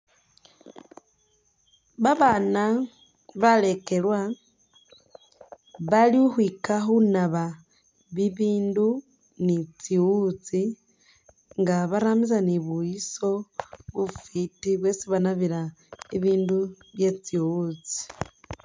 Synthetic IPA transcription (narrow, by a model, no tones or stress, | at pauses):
βaβana | βale̞ke̞lwa | βaliuxwikaxunaβa | βiβiːndu | nit͡siwut͡si | ŋɡaβaɾamisaniβuiso̞βufitiβwe̞ːsiβanaβiɾa | iβiːndu | βje̞t͡siwut͡si̥